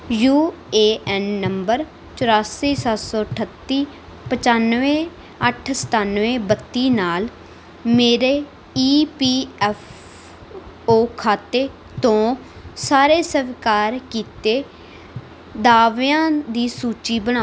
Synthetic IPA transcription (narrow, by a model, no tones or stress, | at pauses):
juː | eːʔɛnːəmbəɾ | t͡ʃəɾaːsiːsət̪soːʈʰət̪ːiː | pət͡ʃaːnʋẽː | əʈʰsə̥t̪aːnʋẽːbət̪ːiːnaːl | meːɾeː | iːpiːɛfʰ | oːkʰaːt̪eː | t̪õː | saːɾeːsəʋkaːɾkiːt̪eː | d̪aːʋeãːd̪iːsuːt͡ʃiːbəñaː